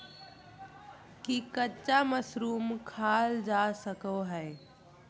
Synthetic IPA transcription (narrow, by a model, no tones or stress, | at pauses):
kikətːt͡ʃaməsɾuːmkʰaːld͡ʒasəkoɦɛe